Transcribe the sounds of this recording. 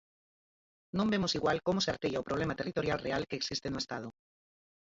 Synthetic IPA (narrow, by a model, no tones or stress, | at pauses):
nõmbemʊsiɣwalkomoseaɾt̪eʎaopɾoβ̞lemat̪erit̪oɾjalrealkeːksist̪enoest̪að̞ʊ